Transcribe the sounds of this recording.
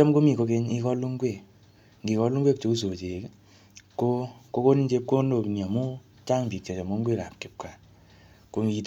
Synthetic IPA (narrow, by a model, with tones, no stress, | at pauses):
ɔ˦mko˦mi˨ko˧ke˦ɲi˦kɔ˦lu˦ŋɡwe˦˨ | ŋɡi˨kɔ˧lu˦ŋɡwe˦k̚t͡ʃo˦u˦s̬o˨t͡ʃe˨k | ko˦ko˧˦ko˦ni˦t͡ʃe˦p̚ko˦ndo˨knia˨mu˦ | t͡ʃa˦ŋbi˨k̚t͡ʃa˨t͡ʃɔ˨mo˨˦ŋɡʷe˦˨ka˨p̚kɪ˨p̚ka˨ | ko˧ŋi˧t